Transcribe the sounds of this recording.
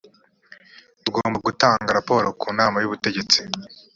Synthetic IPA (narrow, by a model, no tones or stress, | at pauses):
dɡoːmbaɡutaːŋɡaɾapo̞ːɾo̞kuːnaːmajuβute̞ɟe̞t͡si̥